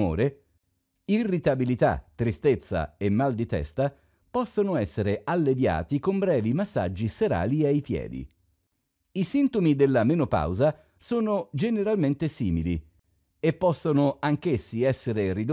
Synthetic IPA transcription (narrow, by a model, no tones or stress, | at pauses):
o̰ːɾe | irːit̪abilit̪a̰t̪ːɾist̪et̪sːa̰emːald̪it̪ɛ̰st̪a | pɔsːonoɛsːeɾealːed̪ja̰ːt̪ikombɾɛːvimasːa̰d͡ʒːiseɾa̰ːliajpjɛ̰ːd̪ḭ | isint̪omid̪elːamenopa̰wza | soːnod͡ʒeneɾalment̪esḭːmili | epːɔsːonoaŋkesːiɛsːeɾerid̪